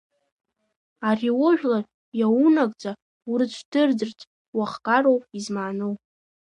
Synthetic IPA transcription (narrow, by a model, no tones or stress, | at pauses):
ariwʊʒᶣlar | jawunakʼt͡sʼa | urɨt͡ʃʷʰdɨrd͡zɨrtʼ | waχkʼarowpʼizmaːnowpʼ